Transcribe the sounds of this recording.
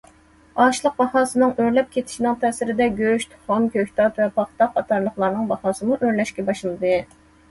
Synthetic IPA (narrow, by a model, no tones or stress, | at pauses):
ɑʃlˠəq̚bɑhɑːsɨnɨŋøɾlɛp̚kʲʰet̪ʰɪ̥ʃinɨŋt̪ʰɛːsɪɾɪd̪ɛɡʲøʃt̪χomkʲʰøçʲt̪ʰɑt̪vɛpʰɑχt̪ɑɑt̪ʰɑɾlˠəχlˠɑɾnɨŋbɑhɑːsɨmuʔøɾlɛʃkʲɛbɑʃɨnˠɨd̪ɨ